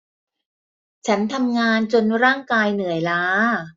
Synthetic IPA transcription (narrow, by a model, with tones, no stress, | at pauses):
t͡ɕʰa˦˥nt̪ʰa˧mŋaː˧nt͡ɕo˧nɾaː˥˩ŋkaː˧jnɯ˨˩˦əjlaː˦˥